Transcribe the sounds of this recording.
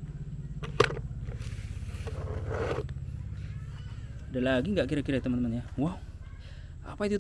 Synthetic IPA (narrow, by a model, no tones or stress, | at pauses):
dalaɡiŋɡaʔkiɾakiɾait̪əmanmanjawaw | a̰pait̪ut̪